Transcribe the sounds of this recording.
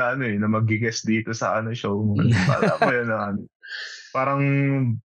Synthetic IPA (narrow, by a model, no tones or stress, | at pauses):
ɐʔɐno̞ʔɛnɐmɐɡɪɡɐsd̪iːt̪o̞sɐ̰ʔɐno̞ʃowmɐɐpa̰ːla̰ːpɐjɐnɐaːnɪpaːɾɐŋ